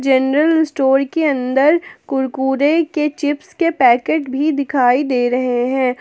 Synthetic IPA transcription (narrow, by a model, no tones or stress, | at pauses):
d͡ʒɛnɾəlɪsʈoːɾkeɐ̃nd̪əɾkʊɾkuːɾeket͡ʃɪpskepɛːkeːʈbʱid̪ɪkʰaːid̪eːɾɐɦeɦɛ̃ː